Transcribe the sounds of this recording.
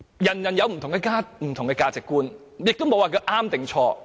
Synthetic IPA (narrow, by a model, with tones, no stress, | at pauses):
jɐ˨˩njɐ˨˩njɐ˨˧wm̩ʰ˨˩ʊ˨˩ŋkɛː˧kaː˥m̩˨˩t̪ʰʊ˨˩ŋkɛ˧kaː˧t͡sɪ˨kːuː˥n | jɪ˨k̚t̪ʊ˥mo˨˧waː˨˩k̬i˧ʔaː˥mt̪ɪ˨ŋt͡ʃʰɔː˧